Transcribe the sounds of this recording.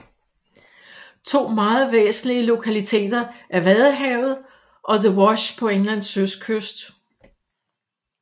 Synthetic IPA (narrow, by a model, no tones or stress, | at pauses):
t͡sʰo̝̰ːmɑ̈ːð̞̩ˠʋḛːsn̩liəlo̝kʰælit͡sʰe̝̰ːd̥ɐʔæɐʋæðˠɦɛʊð̞̩ˠ | ʔɒ̽ðəwɒɕpʰɒ̽eŋlæn̰søskʰøsd̥